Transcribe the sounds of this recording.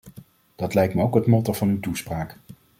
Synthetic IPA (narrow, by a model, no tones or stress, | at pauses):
d̥ɑtlɛjk̚tməowkɦətmɔtəv̥ɑnywtuspraːk